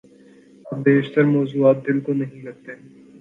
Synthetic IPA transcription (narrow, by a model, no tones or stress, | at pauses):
ɐb̚beːʃt̪əɾmɔːzuːaːt̪̚d̪ɪlkonɐɦĩɾɐɾ̚t̪eɦɛ̃